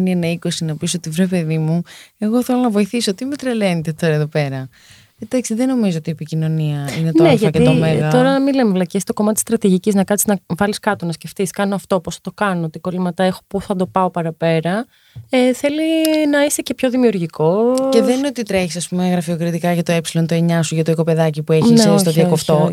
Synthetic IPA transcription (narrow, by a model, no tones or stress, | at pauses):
nienɐiko̞sinɐpisot̪ivɾepeðimue̞ɣo̞θelonɐvo̞iθisot̪imet̪ɾelent̪et̪o̞ɾɐeðope̞ɾɐ | ed̪ɐksiðeno̞mizoot̪iepicino̞niɐinetnoe̞ʝɐɐkeit̪omeɣɐo̞ɾɐmilemevlɐcest̪o̞ko̞mɐt̪t̪ist̪ɾɐt̪iʝiciznɐkɐniznɐvɐliskɐt̪o̞nɐsce̞ft̪iskɐnoɐft̪o̞posθɐt̪okɐnoot̪ikolimɐt̪ɐe̞xopuθɐd̪o̞pɐopɐɾɐpe̞ɾɐ | eθe̞linɐist̪ece̞pço̞ðimiuɾʝiko̞ceðenineo̞t̪it̪ɾeçisɐspumeɣɾɐfio̞kɾit̪ikɐʝɐt̪oepsilo̞nt̪oeɲɐsuʝɐt̪oikope̞ðɐcipueçiseost̪oðiɐkoft̪o